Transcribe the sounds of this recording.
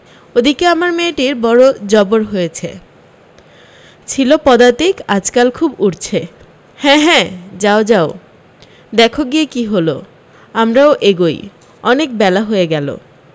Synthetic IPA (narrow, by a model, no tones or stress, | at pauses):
od̪ikeamaɾmeʈiɾbɔɾod͡ʑɔboɾɦojet͡ɕʰḛ | t͡ɕʰilopɔd̪at̪ikad͡ʑkalkʰubuʈt͡ɕʰe | hɛ̃ɦɛ̃d͡ʑaod͡ʑao | d̪ɛkʰoɡiekiɦolo | amɾaoʔeɡoj | ɔnek̚bɛlaɦoeɡɛlo̰